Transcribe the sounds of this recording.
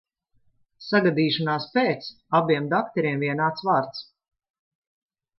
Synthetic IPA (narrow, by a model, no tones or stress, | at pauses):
saɡad̪iːʃanaːspeːt̪s | abiɛmd̪ak̚t̪ɛɾiɛmviɛnaːt̪svaːɾt̪s